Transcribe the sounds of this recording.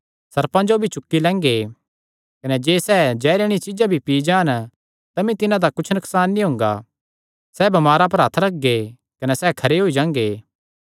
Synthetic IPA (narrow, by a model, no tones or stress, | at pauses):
sɐɾpãd͡ʒobʱit͡ʃʊkːilɛ̃ːŋɡe | kɐnɛd͡ʒeːsɛːd͡ʒɛːɾeɽ̃it͡ʃɪd͡ʒabʱipiːd͡ʒãːn | t̪ɐmĩt̪ɪnãd̪akʊt͡ʃʰnʊksaːnːĩɦʊ̃ːŋɡa̰ | sɛːbɐmaːɾap̬ɐɾɦɐt̪ʰɾɐk̚ɡe | kɐnɛsɛːkʰɐɾeɦoːid͡ʒãːŋɡeː